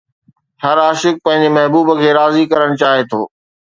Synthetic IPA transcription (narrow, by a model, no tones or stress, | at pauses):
hɐɾaːʃɪk̚pɐ̃ɦɪ̃ɲ̆d͡ʑemɐɦbuːbə̆kʰeːɾaːzikɐɾəɽ̃t͡ɕaːɦet̪ʰoː